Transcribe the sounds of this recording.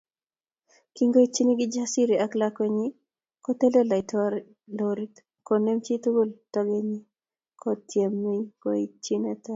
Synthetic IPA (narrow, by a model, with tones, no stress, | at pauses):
ki˦ŋɡo˦i˦t͡ʃi˦ni˦ɡɪ˦d͡ʒa˦si˦ɾi˨a˦klakwe˦ɲi˦ | ko˦t̪e˦le˦la˨ɪ˨tʰɔɾ | loɾi˦t | ko˨ne˦mt͡ʃi˦t̪u˦ɡu˦ltɔ˦ɡe˦ɲi˦ | kʰɔt̪je˨mːiŋɡo̰˦i˦t͡ʃi˦nɛ˦t̪a˦